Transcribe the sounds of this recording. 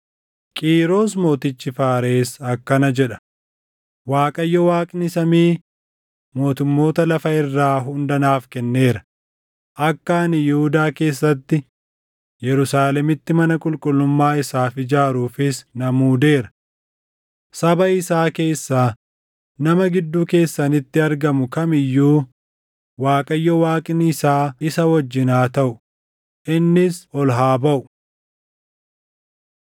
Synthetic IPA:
kʼiːɾo̞ːs̬mo̞ːt̪ɪt͡ʃːɪfaːɾe̞ːsɐkːɐnɐd͡ʒɛᶑɐ̥ | waːkʼɐjːɔwaːkʼnɪsɐmiː | mo̞ːt̪ʊmːo̞ːt̪ɐlɐfɐɪrːaːɦʊnd̪ɐnaːfkɛnːe̞ːɾɐ̥ | ʔɐkːɐnɪjɪhʊd̪aːke̞ːsːɐt̪ːɪ | jɛɾʊsaːlɛmɪt̪ːɪmɐnɐkʼʊlkʼʊlːʊmːaːɪsaːfɪd͡ʒaːɾuːfɪsnɐmuːd̪e̞ːɾɐ̥ | sɐbɐɪsaːke̞ːsːaː | nɐmɐɡɪd̪ːuːke̞ːsːɐnɪt̪ːɪɐɾɡɐmʊkɐmɪjːuː | waːkʼɐjːɔwaːkʼɪnɪsaːɪsɐwɔd͡ʒːɪnaːt̪ɐʔʊ | ʔɪnːɪsɔlɦaːbɐʔʊ̥

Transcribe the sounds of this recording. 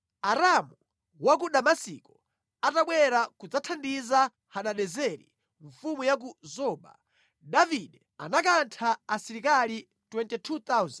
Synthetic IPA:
aɾamu | wak̬uɗamasḭkɔ | ataɓwɛɾakud͡zatʰandiza | haɗaɗɛzɛɾḭ | ɱfumujak̬uzɔːɓa̰ | ɗaviɗɛ | anakantʰaːsiɾikali | twɛntɛtʰut̪auzn

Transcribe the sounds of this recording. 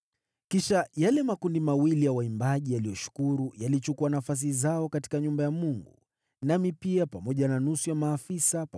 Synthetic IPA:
kiʃajalɛmakundimawilijawaimbaʄijalijɔʃu̥kuɾujalit͡ʃukuanafas̬izaɔkati̥kaɲumbajamuŋɡṵ | namipiapamɔʄananusujamaːfisap

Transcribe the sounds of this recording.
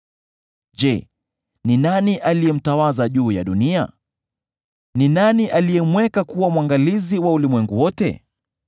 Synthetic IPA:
ʄɛ | ninaniʔalijɛm̩tawazaʄuːja̰ɗunia̰ | ninaniʔalijɛmwɛkakuwamwaŋɡaliziwaulimwɛŋɡuwɔtɛ̰

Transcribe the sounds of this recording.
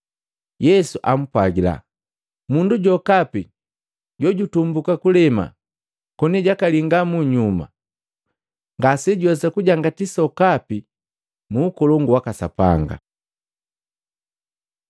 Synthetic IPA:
jɛsuʔam̩pwaɡila̰ | munduɟɔkapi | ɟɔɟutumbukakulɛma̰ | kɔniɟakaliŋɡamuɲuma̰ | ŋɡasɛɟwɔsakuɟaŋɡatisɔkapi | muːkɔlɔŋɡuwakasapa̰ŋɡa̰

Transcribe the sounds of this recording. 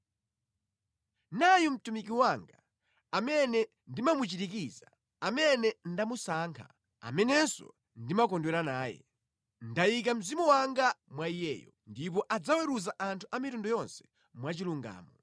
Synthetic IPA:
najɔm̩tumik̬iwaŋɡa | amɛnɛ | ndimamut͡ʃitikiza | amɛnɛndamusaːŋkʰa̰ | a̰mɛnɛsɔ̰ | ndimakɔndwɛɾanaːjɛ̰ | ndajik̬am̩zimɔwaŋɡamwaijɛ̰ːjɔ | ndipɔʔad͡zawɛɾuzaʔantʰuʔamitundɔjɔnsɛ̥ | mwat͡ʃiluŋɡa̰ːmɔ

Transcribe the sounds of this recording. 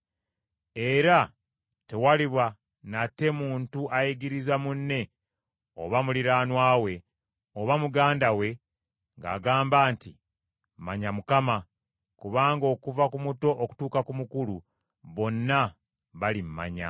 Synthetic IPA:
e̞ɾa | te̞waliβwa | nate̞muːntuʔajiɡiɾizamunːe̞ | o̞̰βamuliɾaːnwaːwe̞ | o̞βamuɡaːndawe̞ | ŋɡa̰ːɡaːmbaːnti | mmaɲamukama | kuβaːŋɡo̞ːkuvakumuto̞ʔoku̥tuːkakumukulu | βo̞nːa | βalimma̰ɲa̰

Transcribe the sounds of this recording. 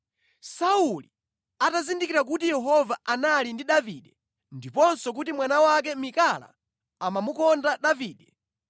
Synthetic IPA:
sauli | atazindikiɾak̬utijɛɦɔvaanalindiɗaviɗɛ | ndipɔnsɔk̬utimwanawak̬ɛmikala̰ | amamukɔndaɗaviːɗɛ

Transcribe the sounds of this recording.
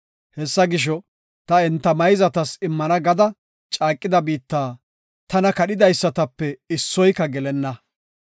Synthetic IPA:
hɛsːɐɡɪʃ̬ɔ | t̪ɐɛnt̪ːɐmɐjzɐt̪ɐsɪmːɐnɐɡɐd̪ɐ | t͡ʃʼaːkʼːɪd̪ɐbiːt̪ːaː | t̪ɐnɐkɐɗɪd̪ɐjsːɐt̪ɐpːɛɪsːɔjkːɐɡɛlɛnːɐ

